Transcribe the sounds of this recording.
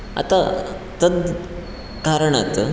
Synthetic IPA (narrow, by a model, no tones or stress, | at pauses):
a̰t̪a | t̪ənd̪ | kaɾəɳat̪ə